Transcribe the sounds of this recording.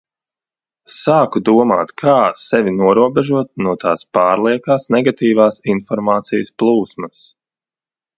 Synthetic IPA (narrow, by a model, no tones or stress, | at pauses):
saːkud̪uɔma̰ːt̪kʰaːsɛvinuɔɾuɔbɛʒuɔt̪̚nuɔt̪ʰa̰ːspaːɾlˠiɛkaːsnɛɡat̪iːvaːsinfɔɾmaːt̪sijəsplˠuːsmɐs